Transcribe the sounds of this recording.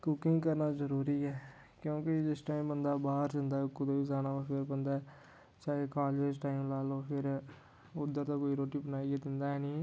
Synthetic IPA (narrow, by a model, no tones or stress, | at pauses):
kʊkɪ̃ŋɡkəɾnaːzəɾuːɾiːɛː | kjõːked͡ʒɪsʈaːimbənd̪aːbaːɦəɾd͡ʒənd̪aːɦɛkʊd̪oːizaːnaːmapʰɪɾbənd̪aːɛː | t͡ʃaːeːkaːleːsʈaːimlaːloːpʰɪɾ | ʊd̪ːəɾt̪aːkoːiɾoːʈiːbənaːiɛd̪ɪnd̪aːɦɛnĩː